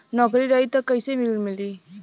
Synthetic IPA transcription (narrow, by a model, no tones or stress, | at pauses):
nɔkɾiɾajtɐkajsemilumili